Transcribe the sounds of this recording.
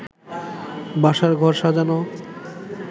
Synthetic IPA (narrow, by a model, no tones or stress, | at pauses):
baʃaɾɡʱɔɾʃad͡ʑano